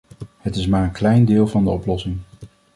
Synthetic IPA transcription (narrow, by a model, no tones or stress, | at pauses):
hətɪsmaːɹənklɛjndɪːlˠvɑndəɔplɔsɪŋ